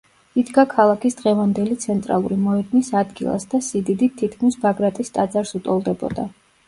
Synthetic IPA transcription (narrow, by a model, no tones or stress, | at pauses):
id̪ɡakʰalˠakʰisd̪̥ʁɛvand̪ɛlit̪sʰɛnt̪ʼɾa̰lˠuɾimɔɛd̪misad̪ɡilˠa̰sd̪asid̪id̪itt̪ʰːit̪̚ʰkʰmisbaɡɾat̪ʼist̪ʼad̪zaɾsut̪ʼɔlˠd̪ɛbɔ̰d̪a